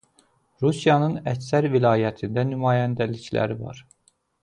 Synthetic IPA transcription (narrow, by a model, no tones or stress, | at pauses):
ɾusijɑnɯnæcsæɾvilɑːjæt̪ʰind̪ænymɑːjænd̪æliclæ̰ɾivɑ̰ɾ